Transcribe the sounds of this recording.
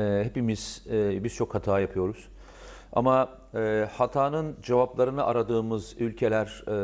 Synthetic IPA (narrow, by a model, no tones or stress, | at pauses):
ɛhepimiz̥biz̥t͡ʃʰo̞khat̪ʰaːjapʰɯjo̞ɾuz̥ | a̰ma | ɛːhat̪ʰaːnɯnd͡ʒevaplˠaɾɯnɯʔaɾad̪ɯːmɯzylʲcʰe̞lʲæɾ̥